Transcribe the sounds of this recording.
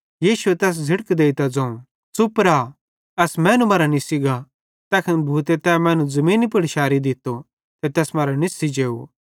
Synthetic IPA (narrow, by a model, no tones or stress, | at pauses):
jiːʃuet̪ɛːs̬d͡zʱɪɽkd̪eːit̪ad͡zɐ̃ːũ | t͡sʊpɾa | ɐsmɛ̃ːnũmɐːɾanisɪɡa | t̪ɐːkʰɐnbʱuːt̪et̪ɛːmɛ̃ːnũzɐmĩːnipɪɽʃaːɾid̪ɪt̪o | t̪et̪ɛːsmɐːɾanɪsid͡ʒeːṵ